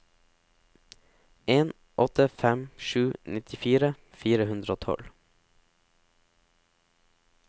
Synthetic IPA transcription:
ʔeːn | ʔɔt̪əfɛmʃʉːnɪt̪ʰɪfiːɾə | fiːɾəhʉnd̪ɾəoːt̪ʰɔ̰l

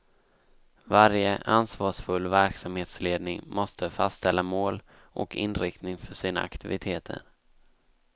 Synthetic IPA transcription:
vaɾjəʔansvɑːʂfɵlːvæɾksamheːt̪sleːd̪nɪŋmɔst̪ʰəfastt̪ʰɛlːamoːl | ʔɔ̰kʰɪ̰nːɾɪk̚t̪nɪŋfœʂiːna̰akt̪ɪvɪt̪ʰeːt̪ʰə̰ɾ

